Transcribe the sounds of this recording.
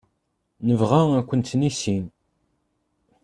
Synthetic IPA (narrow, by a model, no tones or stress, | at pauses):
nəvʁaækʷːənt̪ːnisin